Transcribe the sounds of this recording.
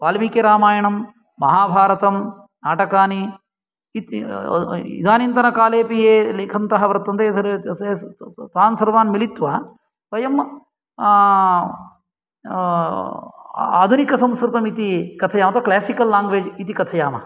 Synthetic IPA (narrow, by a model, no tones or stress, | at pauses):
ʋaːlmikeːɾaːmaːjɐɳɐmː | ɐɦaːbʱaːɾɐt̪ɐm | naːʈɐkaːni | t̪ | ḭd̪aːnint̪ɐnɐkaːleːpijeːleːkʰɐnt̪ɐɦɐʋɐɾɐt̪ːɐnt̪eːsɐɾet̪aːnsɐɾʋaːnmilit̪ʋɐː | ʋɐjɐm | a̰ːd̪ʱunikɐsɐ̃mskɾɪt̪ɐmit̪ikɐt̪ʰɐjaːmɐt̪ɐklaːsikɐlːaːŋɡʋeːd͡ʒit̪ikɐt̪ʰɐjaːmɐ̰